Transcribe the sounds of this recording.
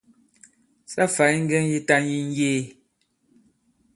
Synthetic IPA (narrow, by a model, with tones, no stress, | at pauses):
sa˦fa˨˦jŋ̩˦ɡɛ˦ŋ˦ji˦ta˦ŋji˦ŋ̩˦jeː˦˨